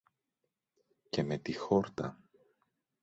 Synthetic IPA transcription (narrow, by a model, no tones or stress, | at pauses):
ce̞me̞t̪ixo̞ɾt̪ɐ̰